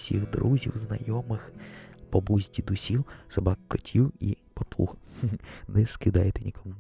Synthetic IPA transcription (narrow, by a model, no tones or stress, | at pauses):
sʲḭɣd̪ɾuzʲiwznɐ̰jɔmɪxpɔbuzʲdʲid̪ʊsʲiwsɐbɑkkːɔtʲʰiwipɔp̪ˠṵx | nɛskɪd̪ɑjet̪enʲikɔmu